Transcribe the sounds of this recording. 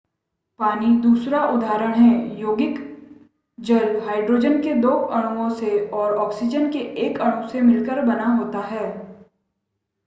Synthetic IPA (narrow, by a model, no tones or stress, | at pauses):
paːnid̪uːsɾaʔʊd̪ʱaːɾəɽ̃ɦɛːjoːɡɪk | d͡ʒəlɦaːɪɖɾoːd͡ʒənked̪oːɐɽ̃uõseɔːɾɔːksɪd͡ʒənkeʔeːkɐɽ̃ũsemɪlkəɾbɐnaɦoːt̪aɦɛː